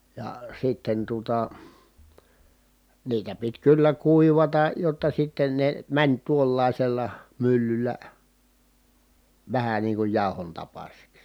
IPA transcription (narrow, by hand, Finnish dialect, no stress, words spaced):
jɑ sitːen tuŏtɑ niːtæ pit kylːæ kuiʋɑtɑ jotːɑ sitːen ne mænʲ tuolːɑˑiselːɑ mylːylːæ ʋæhæ niːŋ kuj jɑˑohon tɑpɑsiks